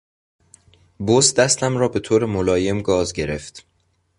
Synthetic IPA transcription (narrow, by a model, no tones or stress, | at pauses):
bosd̪æst̪æmɾɒːbe̞t̪ʰoːɾemolɒːje̞mɡɒːzɟe̞ɾe̞ft̪